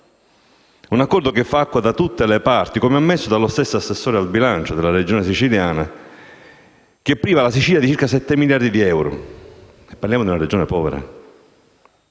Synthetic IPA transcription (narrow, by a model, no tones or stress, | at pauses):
unakːɔrd̪okefːaakːwad̪at̪ut̪ːelepart̪ikomeamːesːod̪alost̪esːoasːesːɔːɾealbilant͡ʃod̪elːaɾed͡ʒoːnesit͡ʃiljaːna̰ | k̟epːɾiːvalasit͡ʃiljad̪it͡ʃiɾkasɛt̪ːemiljaɾd̪id̪iɛwɾo̰ | ɛpːaɾljaːmod̪iunaɾed͡ʒoːnepɔːvḛɾa̰